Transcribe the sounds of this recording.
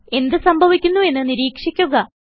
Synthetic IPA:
e̞nd̪ɨsɐmbʱɐʋikʲːunːue̞nːɨniɾiːkʂikʲːuɣɐ

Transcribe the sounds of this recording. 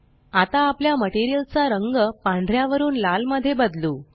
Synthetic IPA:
at̪aːpljaməʈiɾijəlt͡saɾəŋɡəpãɳɖʱɾjaʋəɾuːnlalməd̪ʱːjebəd̪luː

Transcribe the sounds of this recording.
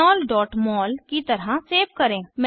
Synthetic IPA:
ɔːlɖɔːʈmɔːlkit̪ɐɾãseːbkəɾẽːmɛ̃

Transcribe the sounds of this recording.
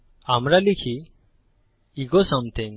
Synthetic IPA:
amɾalikʰi | ɡɔsɔmt̪ʰiŋ

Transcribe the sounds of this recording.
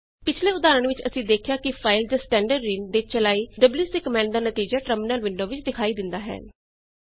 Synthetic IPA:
pɪt͡ʃʰleːʊd̪aːɾəɳʋɪt͡ʃə̰sĩːd̪eːkʰjaːkɪpʰaːɪld͡ʒ̪asʈɛ̃ːɳɖəɖɾiːnd̪eːt͡ʃəlaːiːɖəbliːsd̪eːkəmɛ̃ːɳɖ̚d̪aːnət̪iːd͡ʒaːʈɾəmɪnəlʋɪɳɖoːʋɪt͡ʃd̪ɪkʰaːiːd̪ɪnd̪aːɦɛ̰ː

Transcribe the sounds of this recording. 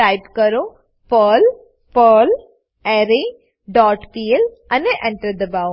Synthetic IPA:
aɪbkɐɾo | pəːl | pəːl | ɛːɾe | ɖɔːʈkiːl | ɐneʔɛ̃ɳʈəɾd̪ɐbaːo

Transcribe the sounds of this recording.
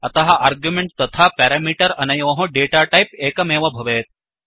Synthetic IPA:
ɐt̪aɦaʔaɾɡjumeɳʈ̚t̪ɐt̪ʰapɛɾamiːʈəɾɐnajʋɐ̃ɦõɖeʈaʈajpekameʋəbʱɐʋeːt̪̚

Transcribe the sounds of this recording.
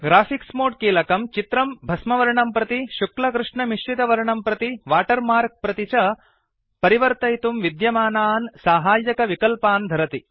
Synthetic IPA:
ɡɾaːfʰiksmoːʈ̚kiːlɐkɐmt͡ʃit̪ɾɐmbʱɐsmɐʋɐɾɐɳɐmpɾɐt̪iʃuklɐkɾuʂɳɐmiʃt͡ʃit̪ɐʋɐɾɐɳɐmpɾɐt̪iʋaːʈɐɾmaːɾk̚pɾɐt̪it͡ʃɐ | pɐɾiʋɐɾt̪ɐjt̪umʋid̪jɐmaːnaːnsaːɦaːjɐkɐʋikɐlpaːnd̪ʱɐɾɐt̪i

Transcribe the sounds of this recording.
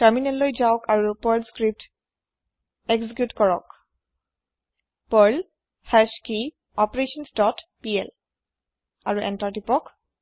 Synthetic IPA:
taɹminɛllojzaɔkaɹupɔɹlskɹip̚t | eksikjutkɔɹɔk | pɔɹl | fʰɛski | ɔpɹeʃɔnsdɔtpiɛl | aɹuʔɛ̰ntaɹtipɔk

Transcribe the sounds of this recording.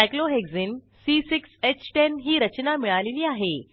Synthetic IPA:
ajkloɦeɡd͡zin | sisikset͡ɕʈenɦiːɾət͡ɕnamiɭaleliːaɦe

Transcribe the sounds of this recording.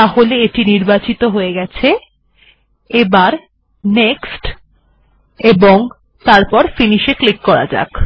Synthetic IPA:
aɦoleeʈiniɾbat͡ɕit̪oɦoeɡɛt͡ɕʰe | ebaɾ | neksʈ | eboŋ | t̪aɾpɔɾfiniʃeklikːɔɾa̰d͡ʑa̰k

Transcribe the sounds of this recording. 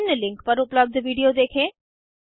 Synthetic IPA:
nlɪ̃ŋkpəɾʊpləb̚d̪ʋiːɖijod̪eːkʰẽː

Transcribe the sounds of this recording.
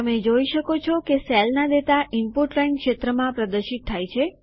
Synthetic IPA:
t̪əmed͡ʒoiʃəkot͡ʃʰɔkesɛlnad̪et̪aʔimpuʈlainkʃet̪ɾəmãpɾəd̪əɾʃit̪ʰːajt͡ʃʰe

